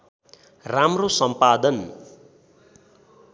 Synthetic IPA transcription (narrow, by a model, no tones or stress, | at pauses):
ramrosʌmpad̪ʌn